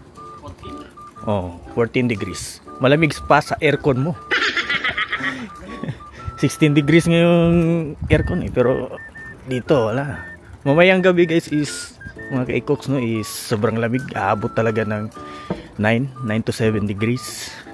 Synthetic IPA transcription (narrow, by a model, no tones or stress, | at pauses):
ʔofoɹt̪ɪnd̪ɪɡɾismɐlɐmiɡspɐsɐʔɛɹkonmo | sɪkst̪ɪnd̪ɪɡɾisŋɐjoŋʔɛɾkonʔɛpɛɾo̰d̪iːt̪o̞ɐla | mɐmɐjaŋɡɐbɛɡajsɪs | mɐŋakɐʔikoksnoʔɪsːobɾɐŋlɐmɪɡa̰ːʔaːbot̪ːɐlɐɡanɐŋ | najnːajnt̪ʊsɛvɛnd̪ɪɡɾis